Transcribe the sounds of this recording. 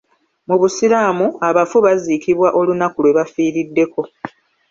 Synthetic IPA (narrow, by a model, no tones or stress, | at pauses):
muβusiɾaːmuaβafuβazikiβwaʔo̞lunakulwe̞βafiːɾidːe̞ko̞